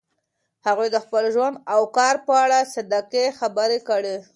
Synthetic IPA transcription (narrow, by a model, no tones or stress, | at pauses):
haɣujd̪əxpəlʒwand̪awkɑɾpəaɽasad̪akexabəɾekəɽe